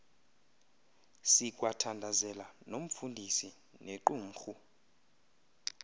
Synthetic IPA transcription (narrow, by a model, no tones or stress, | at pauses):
sikʼwatʰandʱazɛlanom̩fundʱisi | neǃuːm̩xu